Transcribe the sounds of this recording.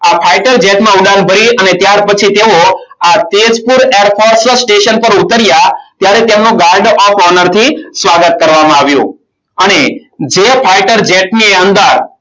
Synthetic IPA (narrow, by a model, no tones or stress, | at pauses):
apʰaiʈəɾd͡ʒeʈmãuɖãnbʱəɾiənet̪jaɾpət͡ʃʰit̪eo | at̪ed͡ʒpuɾeɾfʰɔɾssʈeʃənpəɾut̪əɾjat̪jaɾet̪emnũɡaɾɖɔfʰɔnəɾt̪ʰisʋaɡət̪̚kəɾʋamãaʋjṵ̃ | əne | d͡ʒepʰaiʈəɾd͡ʒeʈnieənd̪əɾ